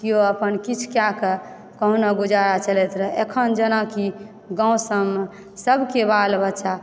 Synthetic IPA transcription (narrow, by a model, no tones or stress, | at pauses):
kioəpənkit͡ʃʰkjakə | kəɦũnaɡud͡ʒaɾat͡ʃəlet̪ɾəekʰənd͡ʒənaki | ɡãũsəmː | səbʱkebalbətːʃa